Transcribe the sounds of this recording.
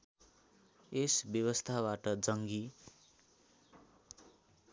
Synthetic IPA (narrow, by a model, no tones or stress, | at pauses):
esbjʌβʌst̪ʰabaʈʌd͡zʌŋɡi